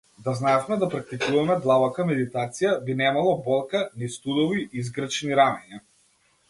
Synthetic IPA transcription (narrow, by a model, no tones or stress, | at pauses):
d̪aznaɛfmɛd̪apɾak̚t̪ikuvamɛd̪lˠavakamɛd̪it̪at̪sijabinɛmalˠɔbɔlˠkanist̪ud̪ɔviizɡɾat͡ʃniɾamɛɲa